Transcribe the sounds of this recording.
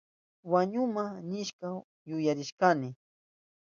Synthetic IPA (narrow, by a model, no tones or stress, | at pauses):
waɲʊmanɪʃka | jʊjaɾɪʃkanɪ